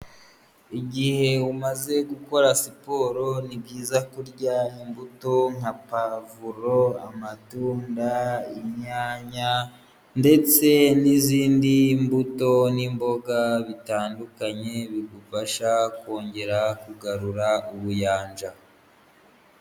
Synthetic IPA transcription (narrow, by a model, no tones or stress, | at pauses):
iɟihe̞umaze̞ɡuko̞ɾasipo̞ɾo̞nibɟiːzakuɾɟaimbuto̞ŋapavuɾo̞a̰matuːndaimɲaːɲa | nde̞t͡se̞niziːndimbuto̞nimbo̞ɡaβitaːndukaɲe̞βiɡufaʃako̞ːɲɟe̞ɾakuɡaɾuɾauβujaːnd͡ʒa